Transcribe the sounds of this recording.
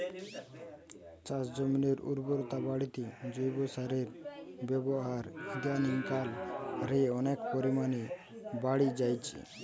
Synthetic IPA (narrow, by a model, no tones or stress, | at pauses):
t͡ʃasd͡ʒɔmniɾṵɾbɔɾt̪abaɽit̪id͡ʒojbosaɾeɾbjɛbɔɦaɾid̪janiŋkalɾeɔnekpɔɾimani | baɽid͡ʒajt͡ʃʰḭ